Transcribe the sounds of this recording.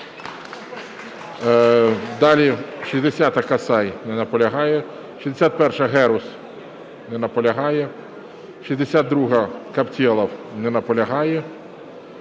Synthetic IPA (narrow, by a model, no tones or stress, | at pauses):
d̪ɑlʲiʃʲizd̪esʲat̪ɐkɐsɑjnɛnɐpɔlʲɐɦɑjɛ | ʃʲizd̪esʲat̪̚pɛrʃɐɦɛɾʊs | nɛnɐpɔlʲɐɦɑjɛ | ʃizd̪esʲad̪̚ɾuɦɐkɐptʲilˠɐwnɛnɐpɔlʲɐɦɑjɛ